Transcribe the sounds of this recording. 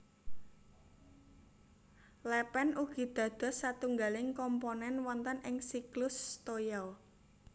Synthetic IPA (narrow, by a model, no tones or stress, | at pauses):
lɛpɛnuɡ̥i̤d̪̥ä̤d̪̥ɔ̤sat̪uŋɡalɪŋkɔmponɛnwɔnt̪ənɪŋsiklʊst̪ojɔw